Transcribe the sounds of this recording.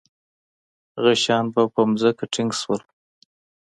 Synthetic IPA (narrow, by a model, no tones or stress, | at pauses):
ɣaʃɑnbapəmzəkaʈʰɪŋɡswəl